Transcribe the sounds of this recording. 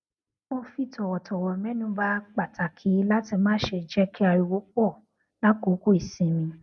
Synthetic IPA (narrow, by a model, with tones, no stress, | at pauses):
mo˧fi˦tɔ˨wɔ˨tɔ˨wɔ˨mɛ̃˦nũ˦ba˦k͡pa˨tʰa˨kʰi˨˦la˦ti˧mãː˦ʃe˧˨d͡ʒɛ˦ki˦a˧ju˧˨wo˦k͡pɔ˦˨ | la˦ku˨˦ku˦i˨sĩ˨˦mĩ˧